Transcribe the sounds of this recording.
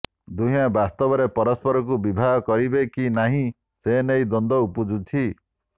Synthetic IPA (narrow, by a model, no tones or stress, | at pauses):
d̪uɦĩjabast̪ɔbɔɾepɔɾɔspɔɾɔk̬ubibʱaɦɔkɔɾibekinaɦĩ | senejd̪ɔnd̪ɔupud͡ʒut̪ʰi